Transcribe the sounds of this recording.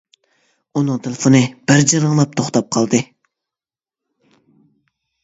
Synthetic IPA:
unɨŋt̪ʰɨlˠfɨnɨb̥ɪɾd͡ʒiɾɨŋlˠɑp̚t̪ʰoχt̪ɑp̚qʰɑlˠd̪ɨ

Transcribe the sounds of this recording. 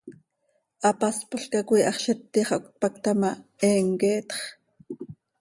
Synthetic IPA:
ʔɑpɑspoɬkɑkuiːʔɑχʃɛt̪ːiχʔok̚t̪̚pɑk̚t̪ɑmɑɛːŋkɛːt̪χ

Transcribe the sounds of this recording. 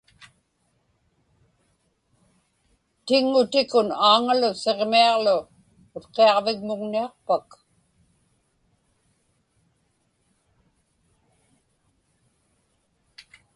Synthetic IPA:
t̪ɪŋːʊt̪ɪkʊnaːŋalʊse̞ʁmiɑʁlʊː | t̪qeɑʁvɪɣmʊɣniɑqpak

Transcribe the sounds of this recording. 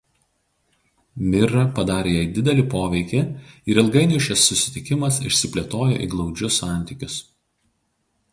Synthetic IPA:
mʲɪɾɐpɐd̪ɑːɾʲeːjɛːɪd̪ʲɪd̪ʲɛlʲɪpoːʋʲɛɪkʲɪɪɾɪlˠɡɐɪnʲʊʃʲɛsːʊsʲɪ̥t̪ʲɪkʲɪmɐsɪ̰ʃʲsʲɪpʲlʲɛt̪oːjo̰ːʔḭɡlˠɒʊd͡ʒʲʊsːɑˑnʲt̪ʲɪˑkʲʊs

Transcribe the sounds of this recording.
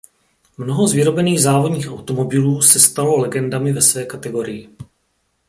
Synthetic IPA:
mno̞ɦo̞zvɪɾo̞bɛniːɣzaːvodɲiːxʔawt̪o̞mo̞bɪluːsɛst̪alo̞lɛɡɛndamɪvɛsvɛːkat̪ɛɡo̞ɾɪjɪ

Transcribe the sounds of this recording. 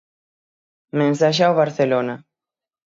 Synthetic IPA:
mẽnsaʃ̬awβaɾθelona

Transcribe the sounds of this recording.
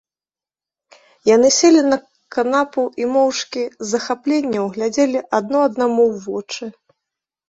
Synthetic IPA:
janɨsʲelʲinɐ | kanapuimɔwʂkʲizɐxaplʲenʲːɐwɣlʲad͡zʲelʲiʔad̪̚nɔɐd̪namuwvɔt͡ʂɨ

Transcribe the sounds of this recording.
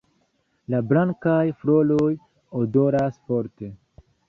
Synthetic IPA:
lablaŋkajfɾo̞loj | odo̞ɾasfoɾte̞

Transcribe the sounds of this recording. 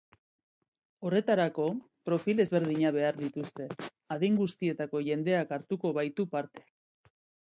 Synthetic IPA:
o̞re̞t̪aɾako̞ | pɾo̞file̞zβe̞ɾð̞iɲaβ̞e̞aɾðit̪ust̪e̞ | aðejŋɡust̪ie̞t̪ako̞ʝe̞nd̪e̞akaɾt̪uko̞β̞ajt̪upaɾt̪e̞̥

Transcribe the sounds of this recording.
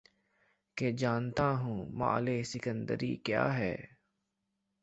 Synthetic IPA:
ked͡ʒaːnt̪aːɦũːma̰ːleːsɪkə̃nd̪ə̰ɾḭːkja̰ːɦɛː

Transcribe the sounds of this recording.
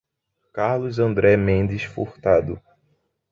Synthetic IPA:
kaɾlʊzɐ̃nd̪ɾɛmẽnd̪ɪsfo̰ht̪ad̪ʊ

